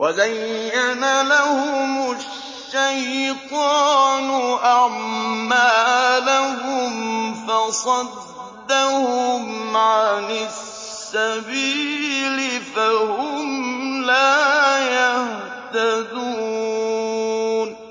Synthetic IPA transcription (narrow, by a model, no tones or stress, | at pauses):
wʔazajːanalahʊmʊ | ʃʃːajt̪ɑːnʊʔaʕmaːlahʊmfɑsˤɑd̪ː | ahʊmʕanɪssː | abiːlɪfahʊmlaːjah | t̪ad̪uː | n